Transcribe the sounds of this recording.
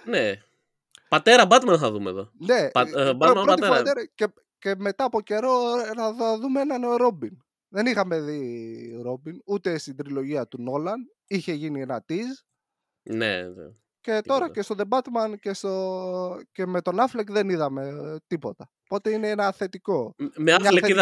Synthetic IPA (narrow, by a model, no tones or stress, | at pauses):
ne | pɐt̪e̞ɾɐbɐt̪mɐnθɐðumḛðo̰ne̞bpɾt̪iɐeɾɐce | ce̞me̞t̪ɐːpo̞ce̞ɾo̞ɐððumeenɐnɾo̞bin | ðe̞nixɐme̞ðiɾo̞binut̪e̞st̪ind̪ɾilo̞ʝiɐt̪uno̞lɐn | içe̞ʝinienɐt̪iz | nḛ | ce̞t̪o̞ɾɐce̞st̪o̞ðe̞bɐt̪mɐnce̞st̪o̞ce̞me̞t̪o̞nɐflekðe̞niðɐme̞t̪ipo̞t̪ɐ | po̞t̪e̞ineenɐːθe̞t̪iko̞mealei